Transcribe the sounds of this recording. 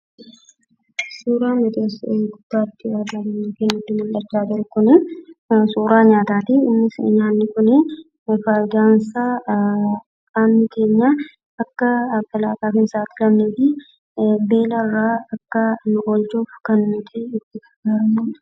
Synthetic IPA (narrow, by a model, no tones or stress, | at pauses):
suːɾaːmbɐd̪eːsɡʊd̪̥ːaːt̪ːɪadaːɡ̪eɲːkenːʊt̪ːɪmɐlᶑɐt͡ʃːaːd͡ʒɪɾʊkʊnɪ | suːɾaːɲaːt̪aːt̪ɪɪmːɪsɲaːnːɪkʊnɪ | faːjd̪aːnsaː | kʼaːmnɪke̞ːɲːa | ɐkːɐkɐlaːkaːfɪnsaːt̪ːɪlɐmneːt̪ɪ | be̞ːlɐrːaːɐkːɐnʊʔolt͡ʃoːfkɐnːʊt̪ɪɪt̪ːɪkɐɡaːɾɐmu